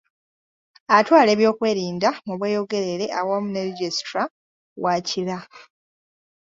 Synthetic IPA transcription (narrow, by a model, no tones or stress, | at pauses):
atwaːle̞ːβjo̞ːkwe̞ːɾiːndamuβweːjo̞ɡe̞ɾe̞ɾe̞ʔawoːmuneɾɟestɾa | waːcila